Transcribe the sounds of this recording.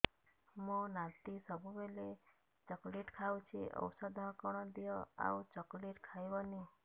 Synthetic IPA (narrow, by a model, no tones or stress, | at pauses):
mõnat̪isəbʱubele | t͡ʃəkleʈkʰaw̃t͡ʃʰiʔə̰wsəd̪ʱɔkɔɽ̃ɔd̪ijoa̰ut͡ʃəkleʈkʰajʋɔni